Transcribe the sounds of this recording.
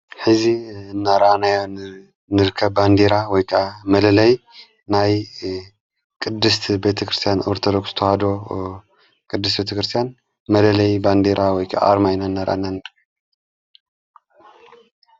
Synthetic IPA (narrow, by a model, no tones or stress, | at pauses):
ħɨziɨnːaɾʔanajo | nɨɾɨkʰːɐbband̪eɾawɔjkʰaʔamɐlɐlɐj | naj | kʼɨd̪ːɨst̪ʰbe̞t̪ʰɐkɾɨst̪ʰijanoɾt̪ʰod̪oksz̥ɨt̪ʰɐhad̪o̞ | kʼɨd̪ːɨs̬t̪be̞t̪ʰɐkɾɨst̪ʰjan | mɐlɐlɐjband̪eɾʔawɔjkʰaʔa̰ːɾmajnaɨnːaɾʔa̰nanɨ